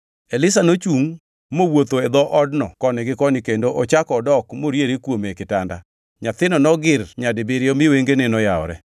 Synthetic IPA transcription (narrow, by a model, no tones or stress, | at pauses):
elɪs̬anot͡ʃuŋ | mowot̪oed̪ɔʔɔdnɔkɔnɪɡɪkɔnɪkendoʔɔt͡ʃakɔːdɔkmoɾjeɾikwomekɪtanda̰ | ɲat̪ɪnɔnɔɡɪrɲadɪbeɾɪomɪweŋɡenɪnɔjaɔ̰ɾɛ̰